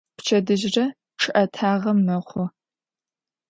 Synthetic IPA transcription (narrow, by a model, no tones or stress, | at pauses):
pt͡ʃʰɐdɨʒrɐ | ʈ͡ʂʰɨʔɐtʰaːʁɐmːɐχʷɔ